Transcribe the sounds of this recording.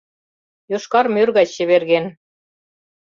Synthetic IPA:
joʃkɑrmørɣɑt͡ɕɕɘ̆βerɣen

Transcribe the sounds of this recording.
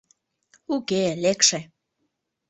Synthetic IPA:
ukelekʃe

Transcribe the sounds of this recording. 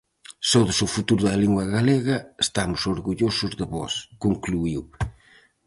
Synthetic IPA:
soðʊsʊfut̪uɾʊðɐliŋɡwɐɣaleɣɐest̪amʊsoɾɣuʎosʊzðəβɔ̰skoŋkluiw

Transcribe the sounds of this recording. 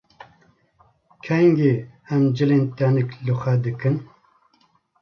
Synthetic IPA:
kʰɛŋɡehɛmd͡ʒɨleːnt̪ɛnɨklɨxʷɛd̪ɨkɨn

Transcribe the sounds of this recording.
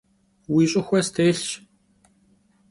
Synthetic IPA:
wiːɕʼʊxʷɛːst̪ʰeːɬt͡ʃ

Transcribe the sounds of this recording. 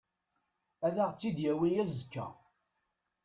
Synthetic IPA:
æðaʁt͡sːid̪jæwijæzəkːæ̰

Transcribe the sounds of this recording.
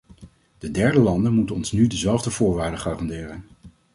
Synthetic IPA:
d̥ədɛɹdəlɑndənmutənɔnsnydəzɛlˠvdəvʊːɹʋaːɹdəχaːrɑndɪːrən

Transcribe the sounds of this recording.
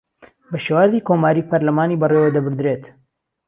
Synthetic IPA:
bɐʃewaːzikoːmaːɾiːpʰɐɾlɐmaːniːbɐreːwɐd̪ɐbɨɾd̪ɾet̪

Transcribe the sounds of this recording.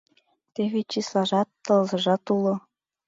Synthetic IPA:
t̪eβet͡ɕislˠɑʒɑt̪ːɤ̆lzɤ̆ʒɑt̪ulˠɤ̆

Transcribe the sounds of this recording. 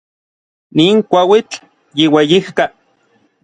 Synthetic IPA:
niːŋkʷawit͡ɬ | jiwejihka

